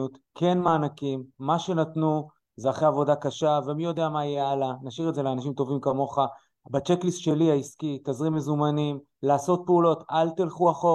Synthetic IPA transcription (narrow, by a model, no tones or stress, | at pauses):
ut̪kʰe̞nmaːnakimːaʃe̞nat̪nu | zeaχeavo̞dakaʃave̞mijo̞d̪eamajɛalanaʃiʁedze̞leanaʃimt̪o̞vimkamo̞χa | bat͡ʃeklisʃe̞liaiskit̪azʁimezumanim | laːso̞t̪̚peulo̞t̪alt̪ilχuaχo